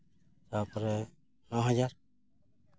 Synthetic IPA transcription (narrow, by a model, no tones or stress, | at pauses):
sapɾɛ | nɔɦad͡ʒaɾ